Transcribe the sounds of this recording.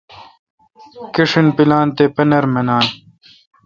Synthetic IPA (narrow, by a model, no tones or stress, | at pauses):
kiʂinpilaːnt̪epɐnɐɾmɐnaːn